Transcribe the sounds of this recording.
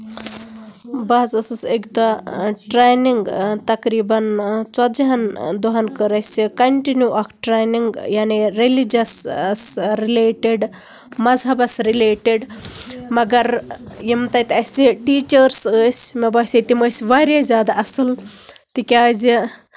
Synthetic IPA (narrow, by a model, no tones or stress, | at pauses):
baːzɐsəsekd̪aʈɾejniŋɡt̪ɐkɾiːbɐnt͡sɐd͡ʒɐɦɐnd̪uɦɐnkəɾɐjsʲikɐɳʈinjuʔɐkʈɾejniŋɡjaːniɾelid͡ʒɐssɾileːʈeɖ | mɐzɦɐbɐsɾileːʈeɖmɐɡɐɾjimt̪ɐjt̪ɐsiʈiːt͡ʃəɾsəsʲmɐbaːsʲet̪iməsʲʋaɾjazʲjaːd̪aʔɐsəlt̪ikʲazi